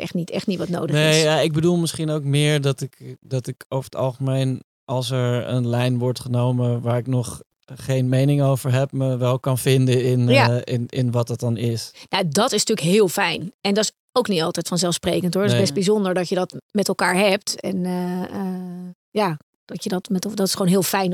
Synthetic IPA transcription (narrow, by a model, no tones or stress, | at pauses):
ɛ̰xtnitɛ̰χtnitʋɑtno̰wdəneɪjsjaɪɡ̚bədulˠmɪsχinowk̚mɪːɹdɑtɪkdɑtɪkofəətɑ̰lˠχəmejn | ʔɑlˠsɛɹə̰nlɛjnʋɔɹtχənowməʋaːɹɪknɔχ | χejnmejnɪŋowvəɹɦɛp̚məʋɛlˠkɑnfɪndəɪnjaɪnɪnʋɑt̚dɑt̚ɑnɪsnadɔtɪsnətyːləkɦɪːlˠfɛjnɛndɔs | owknitɑlˠtɛjtfɔnzɛlˠfsprejkəntɦʊɹdɪzbɛst̚bizondəɹdɔtjədɔtmɛtɛlˠkaːɹɦɛp̚tɛ̰n | ja | d̥ɔtjədɔtmɛtdɔtɪsχoːnɦɪːlˠfɛjn